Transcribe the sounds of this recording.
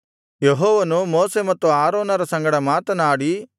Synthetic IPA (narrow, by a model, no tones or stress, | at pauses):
jeɦɔːʋɐnumoːsemɐt̪ːuaːɾoːnɐɾɐsɐŋɡɐɽɐmaːt̪ɐnaːɽi